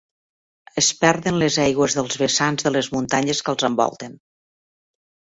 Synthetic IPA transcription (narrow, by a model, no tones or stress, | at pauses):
əspɛɾðənləzɛjɣwəzðəlˠzβəsanzðələzmunt̪aɲəskəlˠzəmbɔ̰lˠt̪ən